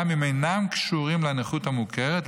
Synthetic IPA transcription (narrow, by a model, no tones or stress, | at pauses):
mimejnamkʃuʁimleaneχut̪hamukʰeʁet